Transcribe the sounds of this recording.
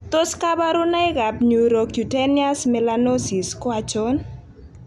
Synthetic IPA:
t̪o˦ska˦ba˦ɾʊ˦na˦ɪ˦ɡa˨pɲu˨ɾɔ˨kju˨tɛ˦ni˦a˦smɛ˨lano˦si˨skwa˦t͡ʃo˦n

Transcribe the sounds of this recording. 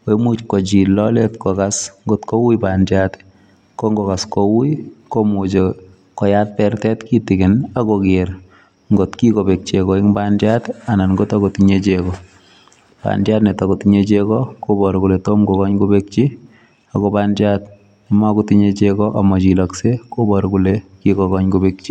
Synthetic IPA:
oe˦mu˦t͡ʃkɔ˨t͡ʃi˨lːɔletkɔ˨ka˦sŋɡo˦tko˦wu˦ipandjat | ko˦ŋɡɔ˨ka˨skowu˦komu˨t͡ʃe | kɔ˨jatːɛ˦rtɛ˦tki˦tɪkɪ˨na˦kokɪɾ | ŋɡo˨tki˦ko˨be˨k̚t͡ʃekɔ˨i˦ŋbandjata˨na˨nŋɡo˦ta˦ko˨tiɲet͡ʃekɔ | pa̰˨ndja˦tne˨tɔ˨kotiɲet͡ʃekɔko˦bɔ˨ɾku˨le˨to˦mɡo˨kɔ˦ɲkubek̚t͡ʃi˦ | akɔbandjat̚ | ni˨ma˦ku˦tiɲet͡ʃekɔ˦ʔa˨mɔ˨t͡ʃi˨lɔ˨kse˦ko˦bɔ˨ɾku˨lekikɔ˨kɔ˦ɲkube˦k̚t͡ʃi˦

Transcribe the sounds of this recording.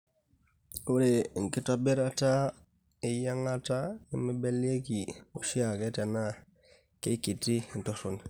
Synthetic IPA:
u˦ɾe˨ŋ˨ki˦to˦bi˦ɾa˦ta˦ | i˨ja˦ŋa˦ta˦i˦mi˦be˦le˦ki˨u˨si˦a˨ke˦te˨na˦ | ke˦ki˨ti˦˨n̩˨to˦su˨n

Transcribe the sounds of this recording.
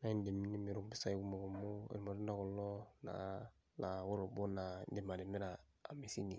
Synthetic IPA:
na˦nde˨mi˦nĩ˦mi˨ɾo˨bi˦sa˦ɡu˦mɔ˨ɡɔ˨mo˦ḛ˨ɾi˨ma˨ɾi˦da˦kɔ˨lɔ˦na̰˨ | la˨wo˦ɾo˨bɔ˦na˨de˨ma˨de˨mi˦ɾa˨a̰˨mi˨si˦ni˨

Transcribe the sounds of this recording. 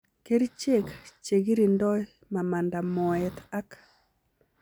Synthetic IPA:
ke˦ɾi˦t͡ʃe˦kt͡ʃe˨ɡi˦ɾi˨ndɔ˦ | ma˨ma˨nda˨mɔ˨ɛ˨t̪a˦k

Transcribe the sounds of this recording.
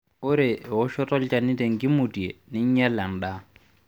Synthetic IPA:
ʊ˦ɾɪ˨ʊ˦ʃɔ˦tʼɔ˦lt͡ʃʼa˨ni˦te˨ŋ̩˨kʼɪ˦mʊ˨ti˨e˨nɪ˦ɲ̩˦ɲɛ˦la˨n̩˨da˦

